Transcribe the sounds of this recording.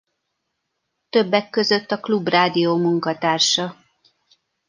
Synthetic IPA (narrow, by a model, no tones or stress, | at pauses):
t̪ø̞bːɛkːø̞zø̞t̪ːɒklubraːd̪ijoːmuŋkɒt̪aːrʃɒ